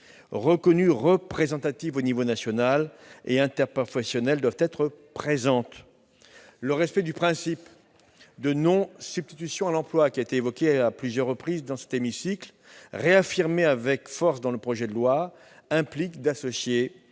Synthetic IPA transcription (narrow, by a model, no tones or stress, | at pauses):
ʁəkɔnyʁəpχezɑ̃t̪at̪ivonivonasjɔnalḛɛ̃t̪ɛʁpɔfɛsjɔnɛld̪wavt̪ɛt̪χəpχezɑ̃t̪ | ləʁɛspɛd̪ypχɛ̃sip | d̪ənɔ̃sybst̪it̪ysjɔ̃alɑ̃plwakʲiaet̪eːvɔkʲeaplyzjœʁːəpχizd̪ɑ̃sɛ̥t̪emisikl | ʁeafiʁmeavɛkfɔʁsd̪ɑ̃ləpχɔʒɛd̪əlwa | ɛ̃plikd̪asɔsje